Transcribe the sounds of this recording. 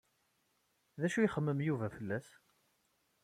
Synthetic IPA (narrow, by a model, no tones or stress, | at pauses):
ðæʃuiχəmːəmjuvæfəlːæs